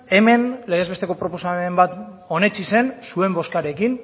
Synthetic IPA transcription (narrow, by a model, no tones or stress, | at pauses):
e̞me̞nle̞ɣ̞ezβe̞st̪e̞ko̞pɾo̞po̞samembat̪o̞ne̞t͡ʃise̞nsue̞mbo̞skaɾe̞kin